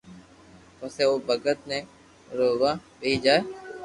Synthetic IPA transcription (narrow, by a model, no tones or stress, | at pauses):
pəseoːbəɡət̪̚nẽ | ɾoːʋaːbeːd͡ʒaːeː